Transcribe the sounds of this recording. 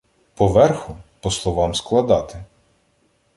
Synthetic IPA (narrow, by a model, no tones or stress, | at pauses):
pɔʋɛrxʊpɔslˠɔʋɑmsklˠɐd̪ɑt̪ɪ